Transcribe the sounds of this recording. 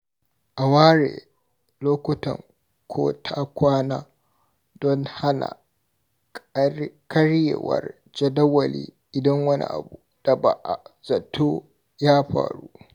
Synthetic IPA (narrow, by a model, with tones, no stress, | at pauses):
ʔa˨waː˦ɾeː˨ | loː˦kʷʊ˦tɐ˨ŋ | kʷʰoː˦tʰaː˦kʷaː˦naː˦ | dɔ˦ŋha˦na̰˨ | kɐ˦ɽjḛ˨wɐ̰˨r | d͡ʒɐ˦dɐ˦wɐ˨lḭː˦ʔɪ˨dɐ˦ŋwɐ˦nḭ˦˨ʔa̰˨bu˨d̥a˨ba˨ʔa˨zɐ˨tʰoː˦ | jaː˦ɸa̰ː˨ɽuː˦